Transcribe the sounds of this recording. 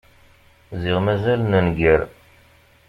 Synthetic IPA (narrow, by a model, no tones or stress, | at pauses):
ziʁmæzælnənɡəɾ